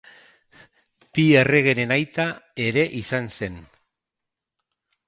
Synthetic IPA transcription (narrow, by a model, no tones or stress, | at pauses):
pie̞re̞ɣ̞e̞ɾe̞najt̪ae̞ɾe̞ʔisanse̞n